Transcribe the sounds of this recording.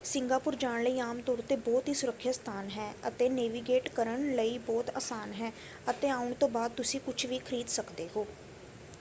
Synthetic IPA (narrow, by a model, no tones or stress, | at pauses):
sɪŋɡaːpʊɾd͡ʒaːɽləiːaːmt̪ɔːɾt̪eːbɔːt̪ɦiːsʊɾəkʰːjast̪ʰaːnɦɛːət̪eːneːʋiːɡeːʈkəɾəɳləiːbɔːt̪aːsaːnɦɛː | ət̪eːaːʊɳt̪õːbaːd̪̚t̪ʊsĩːkʊt͡ʃʰʋiːkʰəɾiːd̪səkd̪eːɦoː